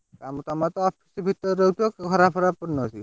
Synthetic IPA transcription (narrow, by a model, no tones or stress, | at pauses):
tamut̪ɔamat̪ɔɔpʰi̥sbʱit̪ːɔɾɾowt̪ɔkɡʱɔɾapʰɔɾapuɾnɔsi